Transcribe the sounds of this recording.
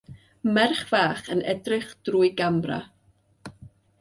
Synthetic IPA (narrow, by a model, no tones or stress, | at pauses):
mɛrχv̥aːχənɛdrɪχd̥ruːɨɡambra̰